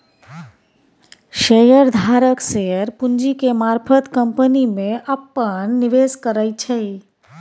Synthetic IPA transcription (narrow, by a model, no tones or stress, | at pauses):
ʃejəɾd̪ʱaɾəkʃejəɾpuɲd͡ʒikemaɾpʰət̪kəmpənimẽʔapːəɳniʋeskəɾait͡ʃʰe